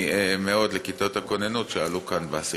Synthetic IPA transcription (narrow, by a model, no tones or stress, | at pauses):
iʔemeo̞d̪lekit̪o̞t̪hako̞nenut̪ʃealukanbeas